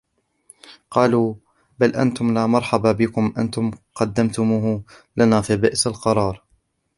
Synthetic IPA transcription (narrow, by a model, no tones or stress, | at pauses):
qɑːluː | balʔa̰nt̪ʊmlaːmɑɾˤħɑbabɪkʊmʔa̰nt̪ʊmqɑd̪ːamt̪ʊmuːhlanaːfiːbɪʔsalqɑɾˤɑːɾˤ